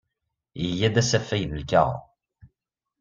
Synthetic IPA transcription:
əjːæd̪æsæfːæjðəlkæ̰ʁ

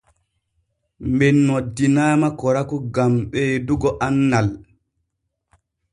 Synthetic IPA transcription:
mbɛnːodːinaːmakɔɾakuɡamɓɛːduɡɔʔanːal

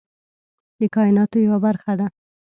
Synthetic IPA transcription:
d̪əkɑɪnɑt̪ojawabaɾxad̪a

